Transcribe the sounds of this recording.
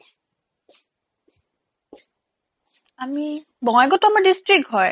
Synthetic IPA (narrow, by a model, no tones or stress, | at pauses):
ami | bɔŋɛɡɔtuamaɹdistɹik̚tɦɔj